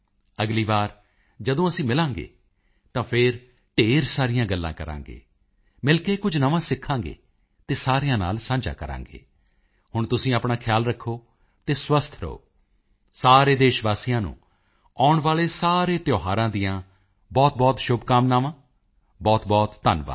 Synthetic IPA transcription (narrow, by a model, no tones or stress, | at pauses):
əɡliːʋaːɾ | d͡ʒəd̪õːəsĩːmɪlãːŋɡḛː | t̪ãːpʰɪɾ | ʈeːɾsaːɾɪjãːɡəlːã̰ːkəɾã̰ːŋɡḛː | mɪlkeːkʊd͡ʒʱnəʋãːsɪkʰːãːŋɡḛː | t̪eːsaːɾijãːna̰ːlsãːɲd͡ʒa̰ːkəɾã̰ːŋɡḛː | hʊɳt̪ʊsĩːaːpɳaːkʰɪjaːlɾəkʰːoː | t̪eːswəst̪ʰɾə̰o̰ː | saːɾeːd̪eːʃʋaːsijãːnṵ̃ː | aːʊɳʋaːleːsaːɾeːt̪joːɦaːɾãːd̪ijãː | bɔːt̪̚bɔːt̪ʃʊbkaːmnaːʋãː | bɔːt̪bɔːt̪ːənʋa̰ː